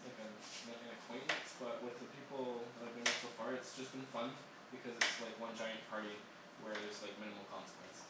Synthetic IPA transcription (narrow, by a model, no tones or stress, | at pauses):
aɪkɨ̃n | meɪkɨ̃nɨkʰw̥ẽɪ̃nsb̥ʌt̚wɨðɨpʰipl̩ˠðəvbɨ̃nɪsoʊfɑɹɨtsd̥ʒ̥ʌsb̥ɨ̃nfʌ̃n | b̥ɨkʰʌzɨtslaɪkwʌ̃nd͡ʒaɪɨ̃npʰɑɹɾi | wə˞ðə˞z̥laɪk̚mɪ̃ñɨml̩ˠkʰɑ̃nsə̥kʰw̥ɛ̰̃ns